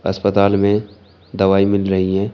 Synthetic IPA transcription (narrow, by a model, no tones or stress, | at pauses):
ɐ̰spət̪aːlmẽ | d̪ɐʋaːimɪlɾɐɦiɦɛ̃ː